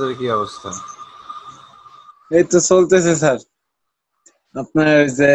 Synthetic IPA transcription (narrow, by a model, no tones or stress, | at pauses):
d̪eɾkiɔbost̪ʰa | et̪osolt̪esʰesaɾ | ap̚naɾojze